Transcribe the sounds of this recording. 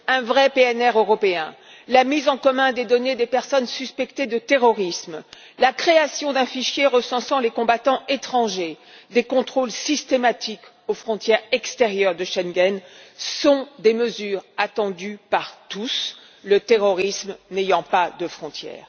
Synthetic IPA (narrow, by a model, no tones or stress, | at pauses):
ɛ̃vʁɛpeɛnɛʁøʁɔpeɛ̰̃ | lamizɑ̃kɔmɛ̃d̪ed̪ɔned̪epɛʁsɔnsyspɛkt̪ed̪ət̪eʁɔʁism | lakχeasjɔ̃d̪ɛ̃fiʃjeʁəsɑ̃sɑ̃lekɔ̃bat̪ɑ̃et̪χɑ̃ʒe | d̪ekɔ̃t̪χolsist̪emat̪ik | ofχɔ̃t̪jɛʁɛkst̪eʁjœʁd̪əʃɛnɡɛnsɔ̃d̪eməzyːʁat̪ɑ̃d̪ypaʁt̪us | lət̪eʁɔʁismnejɑ̃pad̪əfχɔ̃t̪jɛ̰ːʁ